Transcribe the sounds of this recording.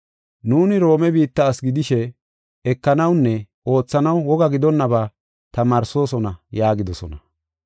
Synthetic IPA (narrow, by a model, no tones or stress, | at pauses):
nuːnɪɾo̞ːmɛbiːt̪ːɐːsɡɪd̪ɪʃɛ | ɛkːɐnɐwnːɛ | o̞ːt͡sːɐnɐwːɔɡɐɡɪd̪ɔnːɐbaː | t̪ɐmaːɾso̞ːsɔnɐjaːɡɪd̪ɔsɔ̰nɐ